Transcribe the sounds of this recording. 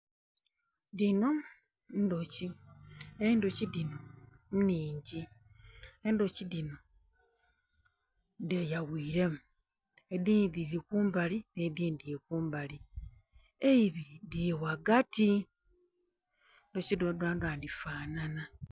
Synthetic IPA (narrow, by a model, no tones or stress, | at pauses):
dino̞ | ndoci | eindocidinomniːɲɟi | endocidino | ndejaɣiːɾemu | ediːdiɾikuːmbalinediːndijekuːmbali | eiβidiwaɡati | ndocidodwaːndwandifaːnana